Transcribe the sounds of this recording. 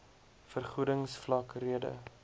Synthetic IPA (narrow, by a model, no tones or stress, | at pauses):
fərχudəŋsflɐkriədə̰